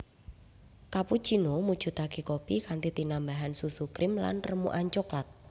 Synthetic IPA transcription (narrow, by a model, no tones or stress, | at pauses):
kapu̥t͡ʃinomud̥ʒ̥ṳt̪akekopikant̪it̪inambaɦansusukɾɪmla̰nrəmṵʔaɲt͡ʃoklat̪̚